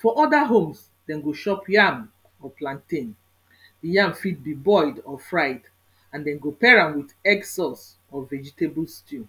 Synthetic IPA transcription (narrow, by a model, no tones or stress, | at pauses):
fɔʔɔdaɦõms | d̥ɛ̃nɡoʃɔpjam | ɔplãntĩn | dijãmfit̚bibɔɪdɔfɹaɪt | ãndɛ̃nɡopɛɹãmwidɛksɔs | ɔvɛd͡ʒiteblstu